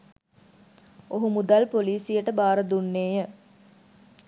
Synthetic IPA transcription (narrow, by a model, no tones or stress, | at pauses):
oɦumud̪alpoliːsijəʈəbaːɾəd̪unːeːjə